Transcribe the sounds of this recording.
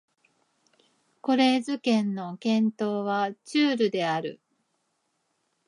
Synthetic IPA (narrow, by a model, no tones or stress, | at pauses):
ko̞ɾe̞ːzɨkẽ̞nːo̞kẽ̞nt̪o̞ːβat͡ɕɨːɾɯ̟d̪e̞aɾɯ̟̰